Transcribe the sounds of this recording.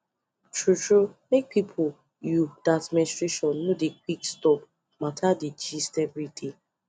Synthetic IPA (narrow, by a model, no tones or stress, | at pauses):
tʰɹutɹumek̚pʰipʰo | judatministɹeʃɔ̃nːodek̚ikstɔp̚ | matʰaded͡ʒistɛvɹide